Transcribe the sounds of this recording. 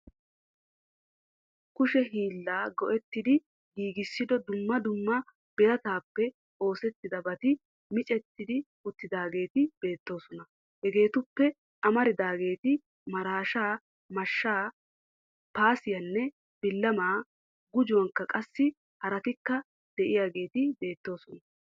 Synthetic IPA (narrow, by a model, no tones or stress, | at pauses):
kʊʃɛɦiːlːaːɡɔʔɛt̪ːɪd̪ɪ | ɡiːɡɪsːɪd̪ɔd̪ʊmːɐd̪ʊmːɐ | b̥ɛjɐt̪aːpːɛ | o̞ːsɛt̪ːɪd̪ɐbɐt̪ɪ | mɪt͡ʃʼɛt̪ːɪd̪ɪ | ʊt̪ːɪd̪aːɡe̞ːt̪ɪb̥e̞ːt̪ːo̞ːsɔnɐ | hɛɡe̞ːt̪ʊpːɛ | ʔɐmɐɾɪd̪aːɡe̞ːt̪ɪ | mɐɾaːʃaː | mɐʃːaː | paːsɪjɐnːɛ | b̥ɪlːɐmaː | ɡʊd͡ʒʊwɐŋkːɐkʼɐsːɪ | hɐɾɐt̪ɪkːɐ | d̪̥ɛʔɪjaːɡe̞ːt̪ɪbe̞ːt̪ːo̞ːsɔnɐ